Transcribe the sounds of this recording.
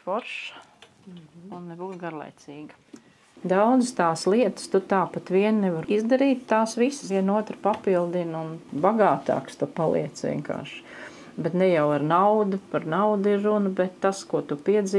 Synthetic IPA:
fɔɾʃ | unnɛbuːt̪ɡaɾlˠa̰jt̪siːɡə | d̪awd̪zəst̪aːslˠiɛt̪ə̥st̪ut̪aːpat̪ʋiɛnnɛʋaɾizd̪ɐɾiːt̪ːaːsʋisə̥sʋiɛnuɔt̪ɾəpapilˠd̪inunbaɡaːt̪ɑ̰ːkst̪upalˠʔḭɛt̪sʋʲḭɛŋka̰ːɾʃ | bɛt̪nɛjawaɾnawd̪upaɾnaʊd̪iɾːunɐbɛt̪ːaskuɔt̪upiɛd̪zi

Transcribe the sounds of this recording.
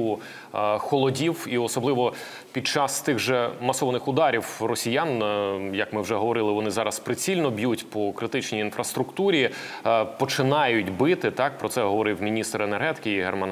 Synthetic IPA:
u | xɔlˠɔdʲiwiɔsɔblˠɪʋɔ | pʲit͡ʃɑst̪ɪɣʒɛmɐsɔʋɔnɪxʊd̪ɑɾʲiwrɔsʲijɑnjɐkmɪwʒɛɦɔʋɔɾɪlˠɪʋɔnɪzɑɾɐspɾɪt͡sʲilʲnɔbʲjutʲpɔkɾɪt̪ɪt͡ʃnʲijinfɾɐst̪ɾʊkt̪uɾʲi | pɔt͡ʃɪnɑjʊtʲbɪt̪ɪt̪ɑk̚pɾɔt̪sɛɦɔʋɔɾɪwmʲinʲist̪ɾenerɦɛt̪ɪ̥kɪiɦɛrmɑn

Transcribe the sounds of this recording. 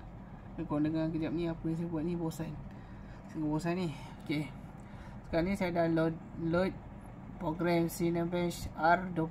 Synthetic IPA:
akɔndəŋakəd͡ʒap̚nĩapɾins̬ibaʔ̚nibosan | səŋabosani | oke | sə̥kaɾanĩsajadal | lɔjt̪̚ | pɾoɡɾɛmsinəbɛnsardɔ

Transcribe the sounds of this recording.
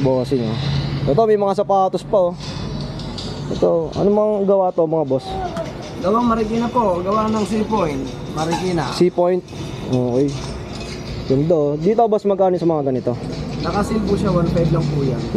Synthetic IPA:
bosɪɲoʔɛt̪omɐjmɐŋasɐpaːt̪ospɐo | ʔɛt̪oʔɐ̰nomɐŋaɡɐwaːt̪omɐŋabos | ɡɐwaŋmɐɾɪɡɪnɐpoɡɐwanɐŋs̬ipojnt̪̚ | mɐɾɪɡɪnɐsipojnt̪̚ | ʔoːʔoj | ɡɐnd̪od̪iːt̪oobɐsmɐɡʔaːnɪsɐmɐŋaɡɐnɪt̪o̞t̪ɐkasɪlpuʃawanfajblɐŋpuːja̰n

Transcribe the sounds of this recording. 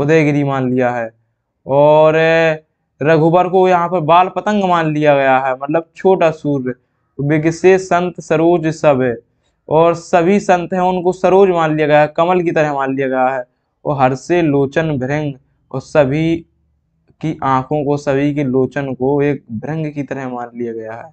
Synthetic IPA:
ʊd̪eːɡɪɾimaːnlijaɦɛː | ɔːɾ | ɾəɡʱubəɾkojɐɦãpəɾbaːlpət̪ə̃ŋɡmãːnlijaɡɐjaɦɛmɐt̪ləb̚t͡ʃʰoːʈasuːɾ | bɪɡsesə̃nt̪səɾoːd͡ʒsəb | ɔːɾsəbʱisə̃nt̪ɦɛ̃ʊnkosəɾoːd͡ʒmãːnlijaɡɐjaɦɛkɐməlkit̪əɾəɦmãːnlijaɡɐjaɦɛː | ɔːɦɐɾseloːt͡ʃənbʱɾə̃ŋɡ | ɔːsəbʱi | kiʔãːkʰõkosəbʱik̬eloːt͡ʃənkoeːk̚bʱɾɪ̃ŋɡkit̪əɾəɦmãːnlijaɡɐjaɦɛː

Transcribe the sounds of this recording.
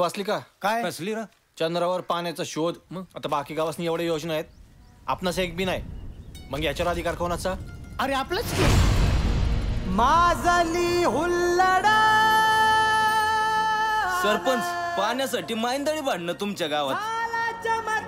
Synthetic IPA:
asliːkakajkəsliɾa | t͡ɕənd̪ɾəʋəɾpanjat͡saɕod̪məɡat̪abakiːɡaʋasniːjeʋɽejod͡ʑnəajet̪̚a̰pnasek̚bʱiːnajm̤əŋɡjat͡ɕaɾad̪ʱikaɾkʰonat͡saəɾeaplət͡sk̪i | mad͡zaliɦulːəɽa | səɾpənspanjasaʈiːmaind̪əɽiːbaɽ̤ɳəːt̪umt͡ɕaɡaʋat̪lad͡ʑəma

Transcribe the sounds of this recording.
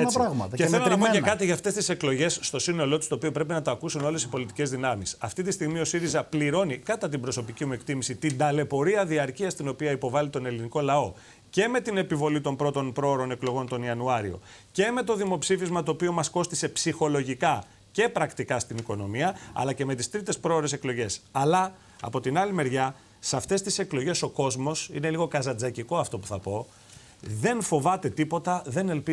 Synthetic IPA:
eɾaɣmɐt̪ɐceθelonɐpocekɐt̪iʝɐːft̪e̞st̪ise̞klo̞ʝe̞sːt̪o̞sino̞lo̞t̪u̥st̪oːpio̞pɾe̞pinɐt̪oɐkusunole̞si̥po̞lit̪ice̞zðinɐmisɐft̪it̪ist̪iɣmio̞siɾizɐpliɾo̞nikɐt̪ɐt̪̬imbɾo̞so̞picimue̞kt̪imisit̪ind̪ɐle̞po̞ɾiɐðiɐɾciɐst̪ino̞piɐipo̞vɐlit̪o̞ne̞liniko̞lɐo̞ | ce̞me̞t̪ine̞pivo̞lit̪o̞mpɾo̞t̪o̞npɾo̞ɾo̞ne̞klo̞ɣo̞nt̪o̞niɐnuɐɾio̞̰ce̞me̞t̪o̞ðimo̞psifizmɐt̪o̞ːpio̞mɐsko̞st̪ise̞psixo̞lo̞ʝikɐ | ce̞pɾɐkt̪ikɐst̪iniko̞no̞miɐɐ̰lɐce̞me̞t̪ist̪ɾit̪e̞spɾo̞oɾe̞se̞klo̞ʝe̞sɐlɐ | ɐ̰po̞t̪inɐlime̞ɾʝɐ | seɐft̪e̞st̪ise̞klo̞ʝe̞so̞ko̞zmo̞sine̞liɣo̞kɐzɐd͡zɐciko̞ɐft̪o̞pu̥θɐpo̞ | ðe̞nfo̞vɐt̪e̞t̪ipo̞t̪ɐðe̞ne̞lpi

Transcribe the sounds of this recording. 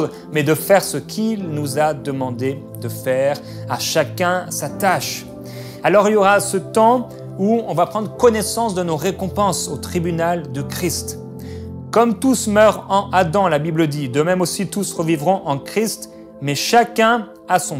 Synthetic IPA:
mɛd̪əfɛʁsəkʲʰilnuzad̪əmɑ̃d̪e | d̪əfɛʁ | aʃakʲɛ̃sat̪aʃ | alɔʁiljɔʁasət̪ɑ̃ | uɔ̃vapχɑ̃d̪ʁəkɔnɛsɑ̃sd̪ənoʁekɔ̃pɑ̃sot̪χibynald̪əkχist̪ | kɔmt̪usmœʁɑ̃ʔad̪ɑ̃labibləd̪id̪əmɛmosit̪usʁəvivʁɔ̃ʔɑ̃kχist̪ | mɛʃakʲɛ̃ | asɔ̃

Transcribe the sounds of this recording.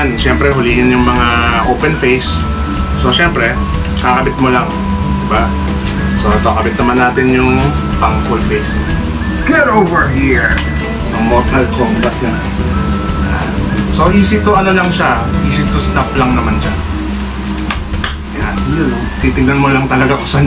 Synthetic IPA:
nʃɛmpɾɛɦʊliːhɪnjʊŋmɐŋaʔowpɛnfejsː | o̞ʃɛmpɾɛ | kakɐbɪt̪̚molaŋ | d̪ɪba | so̞t̪oʔɐbɪt̪̚nɐmanːaːt̪ɪnjʊŋ | paŋfulfejs | kɛɾowvɛɹɦiɹ | jʊŋmot̪ɐlkomb̪ɐt̪̚na | jaa | so̞ʔiːsɪt̪ːoʔɐnolɐŋʃaʔiːsɪt̪ːost̪aplɐŋnɐmanʃa | jan | t̪iːt̪ɪŋnɐnmolɐŋt̪ɐlɐɡakɐ̥sɐ

